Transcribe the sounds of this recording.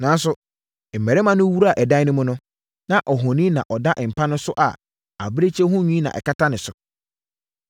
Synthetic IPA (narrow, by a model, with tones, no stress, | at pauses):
nã˨˦n˦s̬ʊ˨ | m̩˨mɛ˨ɾɛ˦mã˦nʊ̃˦wu˦ɾa˨ʔɛ˨da˦nʊ̃˦mʊ̃˦nʊ̃˦ | nã˦ʔɔ˨ɦɔ̃˨nĩ˦nã̰˨ʔɔ˨da˦ʔɪ˨m̩˨pʰa˦nʊ̃˦sʊ˦ʔa˨ | a̰˨bɾe˦t͡ɕʰɛ˦ɦʊ̃˦ɲĩ˦nã̰˨ʔɛ̰˨ka˦tʰa˦nɪ̃˨sʊ˨